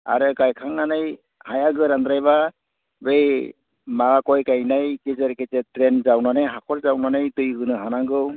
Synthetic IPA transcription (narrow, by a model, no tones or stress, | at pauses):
a̰ɾɯkajkʰaŋːanɯj | hajaɡɯɾand̪ɾajba | bej | maakɔjkajnajkezeɾketɛtɾɛnzawnanɯɦakʰɔlzawnanajtɯjɡɯnɯɦanaŋɡɯw